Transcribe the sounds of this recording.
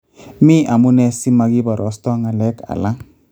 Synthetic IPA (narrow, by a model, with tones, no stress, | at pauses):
mi˦ʔa˨mu˦nɛ˧si˦ma˧ɡi˦bɔ˨ɾɔ˨˦stɔ˦ŋa˨lɛ˦ka̰˨la˦